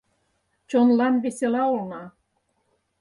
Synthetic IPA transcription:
t͡ɕonlɑnβeselɑolnɑ

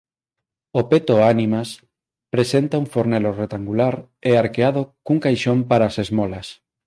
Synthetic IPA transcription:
opet̪oanimas | pɾesent̪auŋfoɾneloret̪aŋɡulaɾ | eaɾkeaðokuŋkajʃompaɾaːsezmolas

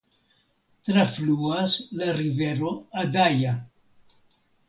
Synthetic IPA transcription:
tɾafluaslaɾive̞ɾo̞adaja

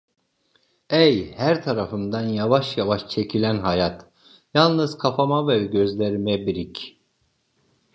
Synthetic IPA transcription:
ejhæɾt̪ʰaɾafɯmd̪anjavaʃjavaʃt͡ʃʰecʰilʲænɦajat̪ | jalˠnɯzkʰapʰamavɛɟø̞zlʲeɾmɛbiɾic

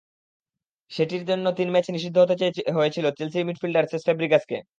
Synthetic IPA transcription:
ʃeʈiɾd͡ʑonːot̪inmɛt͡ɕniʃid̪ʱːoɦot̪et͡ɕaeɦoet͡ɕʰilot͡ɕelsiɾmiʈfilɖaɾsʰesfɛbɾikaskḛ

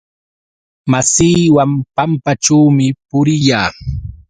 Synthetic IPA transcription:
masiːwampampaʈ͡ʂaːmɪpʊɾɪjaː

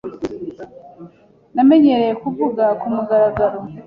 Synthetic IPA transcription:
name̞ɲe̞ɾe̞jekuvuɡakumuɡaɾaɡaɾo̞

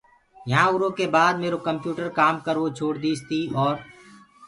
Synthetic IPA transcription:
jɐɦãʊɾõkebaːd̪meːɾokɐ̃mpjuːʈəɾkaːmkɐɾʋot͡ʃʰoːɽd̪iːst̪iɔːɾ

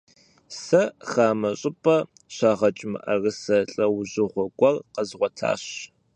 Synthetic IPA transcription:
sɐxaːmɐɕʼɪpʼɐ | ɕaːʁɐt͡ʃʼɪmɨ̰ʔɐ̰rɨsɐɬʼɐwʑɨʁʷɔɡʷɔrqɐzʁʷɔtʰa̰ːɕ

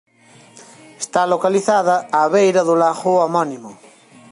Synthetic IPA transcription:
est̪alokaliθaðaːβejɾaðulaxuamɔnimo

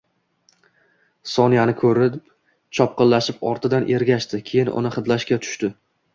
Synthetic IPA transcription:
sɒnijanɪkʰɵɾɪp | t͡ʃʰɒp̚qɨlːaʃɪpɒɾt̪ʰɪd̪anʔe̞ɾɡʲaʃt̪ɪkʲʰe̞jɪnʔʊ̰nɪχɨd̪laʃkʲat̪ʰʊ̥ʃt̪ɪ

